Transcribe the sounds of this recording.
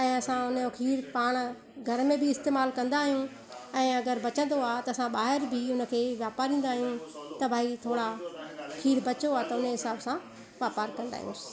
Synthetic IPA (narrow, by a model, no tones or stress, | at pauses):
ɛ̃ːɐsãʊnjokʰiːɾpaːɽ̃ | ɡʱɐɾmẽbʱɪɪst̪eːmaːlkɐ̃nd̪aːɦijũ | ɛ̃ːɐɡəɾbɐt͡ɕə̃nd̪oaːt̪ɐɐsãɓaːɦɪɾbʱɪʊnə̆kʰeːʋjaːpaːɾĩːn̆d̪aːɦijũt̪ɐbʱaːit̪ʰoːɽakʰiːɾbɐt͡ɕoaːt̪ɐʊneɦɪsaːbsã | ʋjaːpaːɾkɐ̃nd̪a̰ːɦijũ